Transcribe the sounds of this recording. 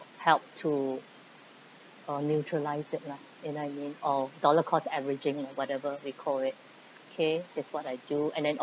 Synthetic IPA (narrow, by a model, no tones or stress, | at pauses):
hɛlp̚tʰu | ʌnjut͡ʃɹəlaɪsɪt̚la | ɛ̃najmĩnɔdɔləkʰɔsɛvɹɪd͡ʒɪ̃ŋlawɔtɛvəwikʰɔlɪt̚ | okʰedɛswɔtaɪduɛ̰̃ndɛ̃n